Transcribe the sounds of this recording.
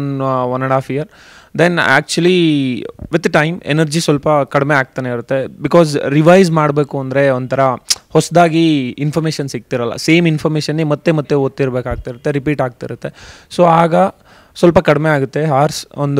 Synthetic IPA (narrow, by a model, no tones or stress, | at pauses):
nʋɐnɐɽaːfijɐɾ | d̪enæ̰ːk̚t͡ʃuɐli | ʋid̪ɐʈɐjmenɐɾd͡ʒisʋɐlpɐkɐɽmeaːk̚t̪aːneiɾut̪ːebikɔːzɾiʋɐjzmaːɽbeːkuɐnd̪ɾe̞ɔnd̪t̪ʰɐɾɐhɔsɐd̪aːɡiːnfʰɐɾmeːʃɐnsik̚t̪iɾɐlːɐ̰seːminfʰɐɾmeːʃɐnːimɐt̪ːemɐt̪ːeoːt̪ːiɾbeːkaːɡ̚t̪aiɾut̪ːeɾipiːʈaːɡ̚t̪iɾut̪ːe̞soːaːɡɐ | sʋɐlpɐkɐɽmeaːɡut̪ːe̞ɦaːɾsond̪